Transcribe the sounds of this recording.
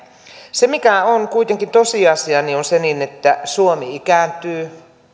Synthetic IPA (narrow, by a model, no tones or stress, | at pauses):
semikæonkuit̪eŋkint̪osiɑsiɑnionseninet̪ːæsuomiikæːˑnt̪yː